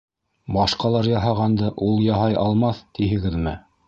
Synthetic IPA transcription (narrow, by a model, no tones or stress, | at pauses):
bɑʃqɑlˠɑɾjɑɦɑʁɑnd̪ɤʔulˠjɑɦɑjʔɑlˠmɑθt̪iɦɘ̆ɡɘðmɘ